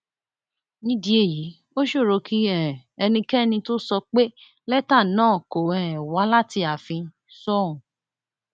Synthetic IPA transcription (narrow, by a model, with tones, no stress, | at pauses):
nĩ˦di˧e˦˨ji˨˦ | o˦ʃo˦˨ɾo˧kʰi˦ɛ̃˦˨ɛ˧nĩ˧kɛ˦nĩ˧to˦sɔ˧k͡pe˦ | lɛ˦ta˦˨nãː˦˨ko˨ɛ˨wa˨˦la˦ti˧a˨fĩ˧ | sɔ˦˨ũ˨